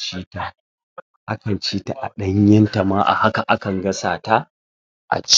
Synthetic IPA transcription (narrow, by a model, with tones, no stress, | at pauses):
t͡ʃiː˦taː˨ | ʔa˦kɐ˨nt͡ʃiː˦ta˨ʔa̰˨ɗɐ˦ɲjɐ˦nta˨maː˦ʔa̰˨ha˦ka˨ʔa˦kɐ˨ŋɡɐ˦saː˨ta˦ | ʔa̰˨t͡ʃ